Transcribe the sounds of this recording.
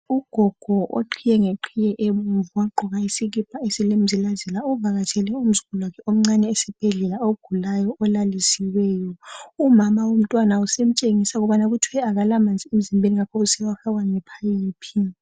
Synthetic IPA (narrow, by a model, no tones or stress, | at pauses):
uɡ̥ʱɔɡ̥ʱɔʔo̰ǃʰijɛŋeǃʰijɛʔemuɱvuwaɡ͡ǃʱɔɣaisiɣib̥̚ʰʱʼaesilem̩zilazɛlaɔvaɣatʰɛlɛum̩zuɣulwakʰɛom̩ŋ͡ǀanɛːsɛb̥ʱɛɮɛlaoɡ̥ʱulajɔʔɔlalisiwɛːjɔumamawom̩tʼwanausem̩t͡ʃʼeŋisaɣuβanaɣutʰwɛaɣalamand͡zʱiem̩zimbʱeniŋakʰɔβusɛwaxaɣwaŋɛpʰajiːpʰi